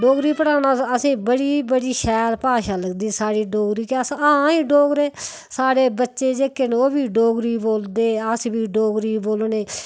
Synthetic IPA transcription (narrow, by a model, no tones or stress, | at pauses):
ɖoːɡɾiːpəɽaːnaːəsĩːbəɽiːbəɽiːʃɛːɾpaːʃaːləɡd̪iːsaːɽiːɖoːɡɾiːkesːĩːɖoːɡɾeː | saːɽeːbətːʃeːd͡ʒeːkːenoːbʱiːɖoːɡɾiːboːld̪eːəsbʱiːɖoːɡɾiːboːlneː